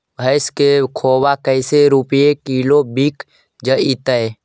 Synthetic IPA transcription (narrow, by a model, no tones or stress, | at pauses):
bʱəɪskekʰoːbakəɪseɾupjekiːlobik | d͡ʒəit̪əj